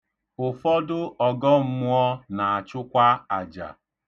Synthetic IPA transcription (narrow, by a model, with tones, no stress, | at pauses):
ʊ˨fɔ˦dʊ˦ɔ˨ɡɔ˦m̩˦mʊ˦ɔ˦na˨a˨t͡ʃʊ˦kʷa˦a˨d͡ʒa̰˨